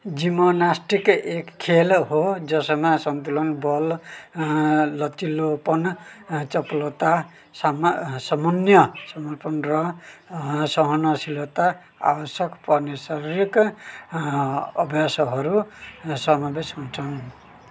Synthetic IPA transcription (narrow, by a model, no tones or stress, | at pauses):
d͡ʒimonasʈikekʰːelɦod͡zʌsʌmasʌnt̪ulɔnbɔl | ʌt͡ʃilopʌnt͡sʌplot̪a | smsɔmʌnjʌsʌmɔrpɔnɾʌ | sʌɦʌnʌsilot̪a | a̰bʌsjʌkpʌɾnesaɾiɾik | ʌbʱjasɦʌɾusʌmabesɦunt͡sʰʌn